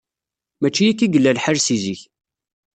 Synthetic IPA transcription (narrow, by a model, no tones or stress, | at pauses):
mæt͡ʃːijikːiɡəlːælħəɾsiziç